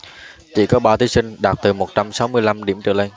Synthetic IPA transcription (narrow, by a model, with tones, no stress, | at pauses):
t͡ɕḭ˧˨kɔ˨˦ɓaː˧wt̪ʰi˨˦sï˧ŋ̟ɗa˨˩t̚t̪ɨ˨˩mo˨˩t̚t͡ɕa˧msa˨˦wmɨ˧əjla˧mɗi˧˩əmt͡ɕɨ̰˧˨le˧n